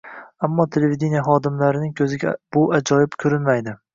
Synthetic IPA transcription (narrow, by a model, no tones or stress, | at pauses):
amːɒt̪ʰe̞levid̪ʲenijaχɒd̪ɪmlaɾɪnɪŋkʲʰɵzɪɡʲab̥ʊʔad͡ʒɒjɪbkʲʰɵɾɪnmajd̪ɪ